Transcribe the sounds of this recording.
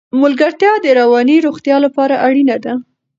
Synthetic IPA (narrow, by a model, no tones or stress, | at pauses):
mʊlɡaɾt̪jɑd̪əɾawɑniɾoɣt̪jɑlapɑɾaʔaɽinad̪a